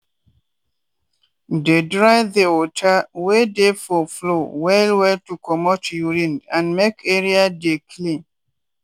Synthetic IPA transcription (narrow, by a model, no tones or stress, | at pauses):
dedɹaɪðeɔtʰawedefɔflowɛlwɛltukɔmɔtjuɾĩndãnmekʰeɹiadekʰlĩn